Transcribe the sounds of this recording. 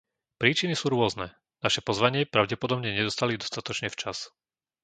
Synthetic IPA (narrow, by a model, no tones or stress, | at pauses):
pɾiːt͡ʃinisuːɾʊɔznɛ | naʃɛpɔzʋaɲɪɛpɾaʊɟɛpɔd̪ɔbɲɛɲɛd̪ɔst̪alid̪ɔst̪at̪ɔt͡ʃɲɛft͡ʃas